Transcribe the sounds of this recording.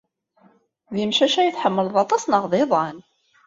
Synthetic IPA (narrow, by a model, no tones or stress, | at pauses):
ðimʃæʃæjəθħəmːəlðˤɑt̪ˤɑsnəʁðˤeðˤɑn